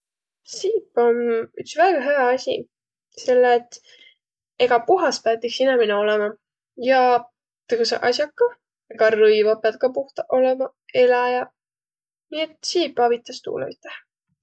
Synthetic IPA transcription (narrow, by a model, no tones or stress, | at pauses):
siːpːˑo̞nyksvæːɡ̥ɑɦejɑɑsʲḭ | se̞lːeːt̪ː | e̞ɡ̥ɑpuɦɑspæt̪ːˑiksinæmineo̞lɛmɑ | jɑ | t̪eɡusḛʔɑsʲjɑkːɑ | eɡ̥ɑrɤjvɑpeɑd̪̚kɑpuht̪ɑʔo̞lemɑ | e̞lɑjɑ | niet̪siːpːˑɑvit̪ːˑɑst̪ṵːlḛmit̪ːˑeh